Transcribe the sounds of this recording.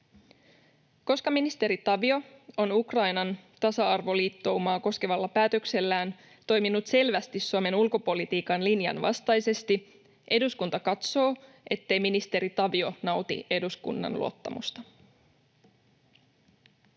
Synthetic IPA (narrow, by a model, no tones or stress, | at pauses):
ko̞skɑminist̪e̞ɾit̪ɑʋio̞o̞nukrɑjnɑnt̪ɑsɑɑrʋo̞liːt̪ːo̞wumɑːko̞ske̞ʋɑlːɑpæːt̪økse̞lːæːn | t̪o̞jminːut̪se̞lʋæst̪isːuome̞nulko̞po̞lit̪iːkɑnlinjɑ̰nʋɑ̰st̪ɑjse̞st̪i | ʔe̞duskunt̪ɑkɑt̪so̞ː | e̞t̪ːe̞jminist̪e̞ɾit̪ɑʋio̞nɑwt̪ḭe̞duskṵnːɑ̰nlṵo̰t̪ːɑ̰mṵst̪ɑ